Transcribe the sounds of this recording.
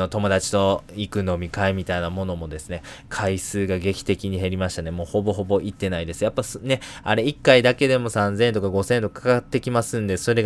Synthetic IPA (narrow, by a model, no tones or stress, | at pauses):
ot̪o̞mo̞d̪at͡ɕi̥t̪o̞ikɯ̟no̞mʲikaemʲit̪ainamo̞no̞mo̞d̪e̞sɨne̞kʰaisɨːɡaɡe̞kʲi̥t̪e̞kʲiɲ̟iɦe̞ɾʲimaɕi̥t̪ane̞mo̞ːho̞bo̞ɦo̞bo̞ʔit̪ːe̞naid̪e̞sɨjapːasne̞aɾe̞ikːaid̪ake̞d̪e̞mo̞sãnzẽ̞nt̪o̞kaɡo̞sẽ̞nt̪o̞kakʰat̪ːe̞kʲimasɨ̃nd̪e̞so̞ɾe̞